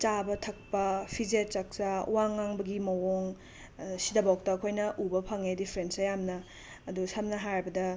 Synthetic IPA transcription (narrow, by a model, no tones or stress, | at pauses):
t͡ʃabɐtʰɐk̚pɐpʰizet͡ʃɐk̚t͡ʃawaŋːaŋbɐɡimɐwoŋ | sidɐbawk̚tɐːkʰojnɐʔubɐpʰaŋedipʰɾensɐjamnɐː | dusɐmnɐɦaɾbɐdɐ